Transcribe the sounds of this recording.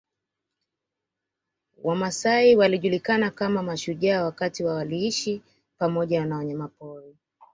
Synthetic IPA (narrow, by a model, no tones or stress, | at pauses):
wʔamasaiwaliʄulikanakamamaʃuʄaːwakatiwawaliiʃi | pamɔʄanawɔɲamapɔɾi